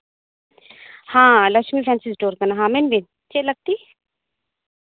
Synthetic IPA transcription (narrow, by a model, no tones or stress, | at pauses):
hãːlɐʃmipʰɛ̃ːnsisʈoːɾkɐnaɦãːmenbin | t͡ʃelɐɡ̚t̪iː